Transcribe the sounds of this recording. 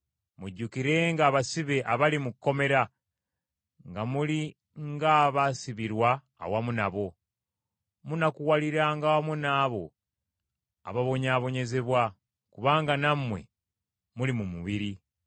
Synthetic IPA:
muɟːukiɾe̞ŋɡaːβasiβe̞ʔaβalimukːo̞me̞ɾa | ŋɡamuli | ŋɡaːβasiβiɾwa̰ː | wamunaβo̞ | munakuwaliɾaŋɡawamunaːβo̞̰ | a̰βaβo̞ɲaːβo̞ɲe̞ze̞βwa | kuβaːŋɡanamwe̞̰ | mulimumuβiɾi

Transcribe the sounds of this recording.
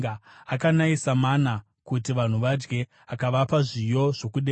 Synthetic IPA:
akanaisamana | kutiʋan̤uʋad͡ʒɡe̞ | akaʋapaʐijo̞ʐ̥o̞kuɗe

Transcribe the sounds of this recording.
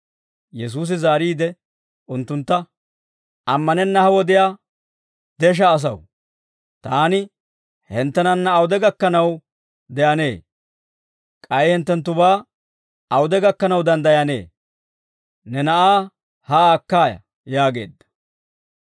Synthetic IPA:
jɛs̬uːs̬ɪzaːɾiːd̪ɛ | ʔʊnt̪ːʊnt̪ːɐ | ɐmːɐnɛnːɐhɐwɔd̪ɪjaː | d̪ɛʃ̬ɐːs̬ɐw | t̪aːnɪ | hɛnt̪ːɛnɐnːɐːwʊd̪ɛɡɐkːɐnɐw | d̪ɛɐne̞ː | kʼɐjɪhɛnt̪ːɛnt̪ːʊβaː | ɐwʊd̪ɛɡɐkːɐnɐwd̪ɐnd̪ɐjɐne̞̰ː | nɛnɐʔaː | haːkːaːjɐ̰ | jaːɡe̞̰ːd̪ːɐ̥

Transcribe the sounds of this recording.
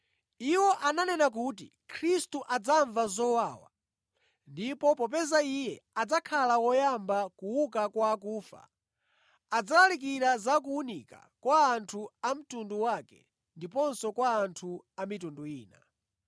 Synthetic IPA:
iwɔʔananɛnak̬uːtḭ | kʰɾistuʔad͡zaɱvazɔwawa̰ | ndipɔpɔpɛzaijɛad͡zakʰalawɔjambakuwukakwaːkuːfa̰ | ad͡zalalik̬iɾazak̬uunika̰kwaːntʰuam̩tunduwakɛ̰ | ndipɔnsɔkwaːntʰu | amitunduiːna̰

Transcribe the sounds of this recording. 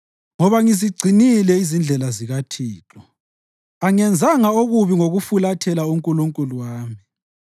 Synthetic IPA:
ŋɔβaŋiziɡ͡ǀʱinilɛizind͡ɮʱɛlaziɣatʰiːtʰʼɔ | aŋɛnd͡zʱaŋaoɣuβiŋoɣufulatʰɛlauŋkʼuluŋkʼuluwaːmi

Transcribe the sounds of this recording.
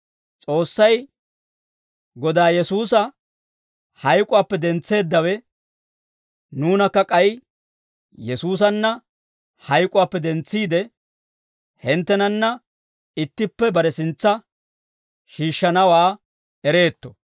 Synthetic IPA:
t͡sʼo̞ːsːɐj | ɡɔd̪aːjɛsuːsɐ | hɐjkʼʊwaːpːɛd̪ɛnt͡sːe̞ːd̪ːɐwɛ | nuːnɐkːɐkʼɐj | jɛsuːs̬ɐnːɐ | hɐjkʼʊwaːpːɛd̪ɛnt͡sːiːd̪ɛ | hɪnt̪ːɛnɐnːɐ | ɪt̪ːɪpːɛbɐɾɛsɪnt͡sːɐ | ʃiːʃːɐnɐwaː | ɛɾe̞ːt̪ːɔ̥

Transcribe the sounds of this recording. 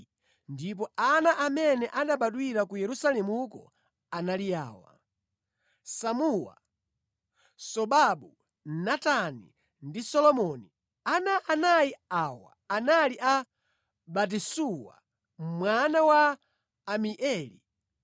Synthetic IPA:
ndip̬ɔʔanaʔamɛnɛʔaɗaɓaɗwiɾakujɛɾusalɛmukɔ̰ | analia̰ːwa̰ | samuwa̰ | sɔɓaɓu | natanḭ | ndisɔlɔmɔni | anaʔːnajiawa̰ːnaliʔa | ɓat̬isuwa̰ | mwanawaː | miʔɛːlḭ

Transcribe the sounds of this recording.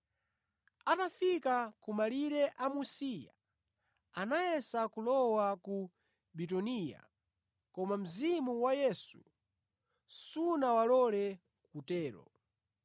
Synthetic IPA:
atafikakumaliɾɛʔamusija̰ | anajɛsakulɔwaku | bitɔniːja̰ | kɔmam̩zimuwajɛsu | sunawalɔlɛ | kutɛːɾɔ̰

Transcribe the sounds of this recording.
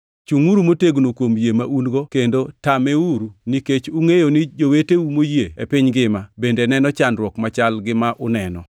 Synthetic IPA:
t͡ʃuŋuɾumoteɡnokwomjemaʔunɡokendotameuɾuniket͡ʃuŋejonid͡ʒoweteumojeḛpɪɲɡɪmabendenɛnɔt͡ʃandɾwɔkmat͡ʃalɡɪmaʔʊnɛnɔ̰

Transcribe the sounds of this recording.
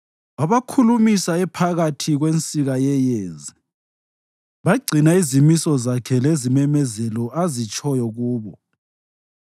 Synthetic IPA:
aβakʰulumisaɛpʰaɣatʰiɣwent͡sʼiɣajɛjeːzi | βaɡ͡ǀʱinaizimisɔzakʰɛlezimɛmɛzɛlɔʔazit͡ʃʼɔjɔɣuːβɔ

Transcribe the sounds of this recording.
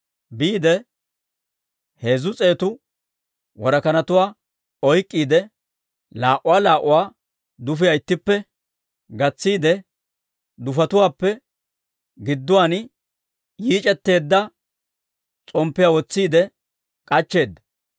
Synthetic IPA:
biːd̪ɛ | he̞ːzʊt͡sʼe̞ːt̪ʊ | wɔɾɐkɐnɐt̪ʊwaː | ɔjkʼːiːd̪ɛ | laːʔʊwaːlaːʔʊwaː | d̪ʊfɪjaɪt̪ːɪpːɛ | ɡɐt͡sːiːd̪ɛ | d̪ʊfɐt̪ʊwaːpːɛ | ɡɪd̪ːʊwaːn | jiːt͡ʃʼɛt̪ːe̞ːd̪ːɐ | t͡sʼɔmpːɪjawɔt͡sːiːd̪ɛ | kʼɐt͡ʃːe̞ːd̪ːɐ

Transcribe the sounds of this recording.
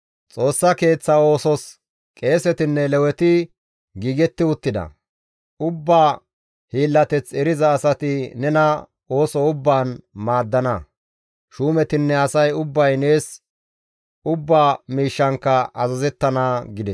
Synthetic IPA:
t͡sʼo̞ːsːɐke̞ːt͡sːɐo̞ːsɔs | kʼe̞ːsɛt̪ɪnːɛlɛwɛt̪ɪ | ɡiːɡɛt̪ːɪʊt̪ːɪd̪ɐ̰ | ʊbːaː | hiːlːɐt̪ɛt͡sɛɾɪzɐːsɐt̪ɪnɛnɐ | o̞ːsɔʊbːaːnmaːd̪ːɐnɐ | ʃuːmɛt̪ɪnːɛɐsɐjʊbːɐjne̞ːs | ʊbːaːmiːʃːɐŋkːɐɐzɐzɛt̪ːɐnaɡɪd̪ɛs

